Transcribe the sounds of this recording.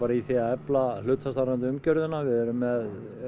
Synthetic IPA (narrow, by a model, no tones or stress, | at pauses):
aːɾaiθɛaɛplalʏːt̪fast̪aɾant̪̬ɪʏmcœɾðʏnavɪðɛɾʏmːɛð